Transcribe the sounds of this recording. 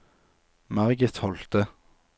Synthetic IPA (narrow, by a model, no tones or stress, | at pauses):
mæʁɡət̪hɔlt̪ə